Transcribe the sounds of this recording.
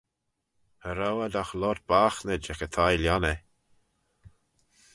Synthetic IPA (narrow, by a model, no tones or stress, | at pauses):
əɾawad̪axlɔt̚b̥axnəd͡ʒɛkət̪ʰajljanə